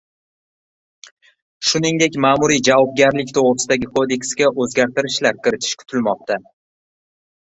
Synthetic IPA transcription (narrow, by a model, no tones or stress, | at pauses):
ʃʊnɪŋd̪e̞kʲmaːmuɾijd͡ʒavɒb̚ɡʲaɾlɪkʲt̪ʰoʁɾɨsɪd̪aɡʲɪkʰo̞d̪e̞kʲsɡʲaʔɵzɡʲaɾt̪ɪɾɪʃlaɾkʲɪɾɪt̪ʰɪ̥ʃkʰʊ̥t̪ʰɪlmɒq̚t̪a